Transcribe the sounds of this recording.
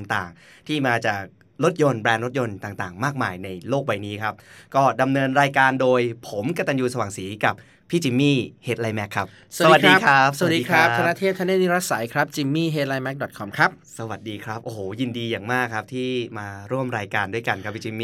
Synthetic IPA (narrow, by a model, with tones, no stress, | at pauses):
ŋt̪aː˨˩ŋ | t̪ʰiː˥˩maː˧t͡ɕaː˨˩k̚ | ɾo˦˥t̪̚jo˧nbɾɛː˧nɾo˦˥t̪̚jo˧nt̪aː˨˩ŋt̪aː˨˩ŋmaː˥˩k̚maː˧jna˧jloː˥˩k̚wa˧jniː˦˥kʰa˦˥p̚kɔː˥˩da˧mnɤː˧nɾaː˧jkaː˧ndoː˧jpʰo˩˦mka˧t̪a˧njuː˧sa˧waː˨˩ŋsiː˩˦ka˨˩p̚ʰːiː˥˩t͡ɕi˧mːiː˥˩heː˨˦˩t̪̚la˧jmɛ˦˥kʰːa˦˥p̚sasa˧d̪̚diː˦˥˧kʰa˦˥˦sdiː˧kɾa˦˥p̪ʰa˧na˧˥t̪ʰeː˥˩p̪̚ʰa˧˥ne˥˩ni˦˥ɾa˦˥sa˨˩˦jkʰɾa˦˥p̚t͡ɕi˧mːiː˥˩ɦeː˧˦˥t̪̚la˧jmɛ˦˥k̚dɔ˨˩t̪kʰɔ˧mkʰɾa˦˥p̚sa˧wa˨˩t̪̚diː˧kʰɾa˦˥p̚ʔoː˧˩hoː˩˦ji˧ndiː˧jaː˨˩ŋmaː˥˩kʰːa˦˥p̚t̪ʰiː˥˩maː˧ɾu˥˩əmɾaː˧jkaː˧ndu˥˩jka˧nkʰa˦pʰiː˥˩t͡ɕi˧miː˩